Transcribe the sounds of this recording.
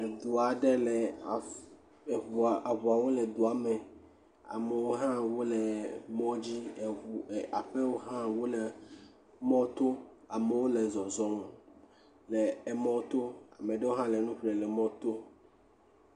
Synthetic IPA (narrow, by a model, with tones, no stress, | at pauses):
d̪u˨a˨ɖe˦le˨ | va˨βu˨a˨wo˦le˨d̪o˨a˨me˨ | a̰˨me˨wo˦ɦã˦wo˦le˨mɔ̃˦d͡ʑi˦˨a˨ɸe˦wo˦ɦã˦wo˦le˨ | mɔ̃˦t̪o˦ | a˨me˨wo˦le˨zɔ˨zɔ˦m˨ | le˨mɔ̃˦t̪o˦a˨mẽ˨ɖe˦wo˦ɦã˦le˨nũ˦ɸle˨lɛ˨mɔ̃˦t̪o˦